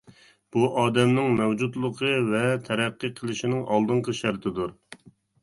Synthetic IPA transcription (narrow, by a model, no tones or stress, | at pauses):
b̥uʔɑːd̪ɛmnɪŋmɛwd͡ʒut̪lˠəqʰəvɛt̪ʰɛɾæqːɨqʰəlˠɪʃɪnɪŋʔɑlˠd̪ɨɴqəʃæɾt̪ʰɪd̪uɾ